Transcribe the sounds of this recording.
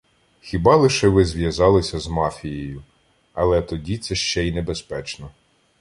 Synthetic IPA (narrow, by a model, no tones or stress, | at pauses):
xʲibɑlˠɪʃɛʋɪzʋʲjɐzɑlˠɪsʲɐzmɑfʲijeɔjʊ | ɐ̰lˠɛt̪ɔdʲit̪sɛʃt͡ʃɛinebespɛt͡ʃnɔ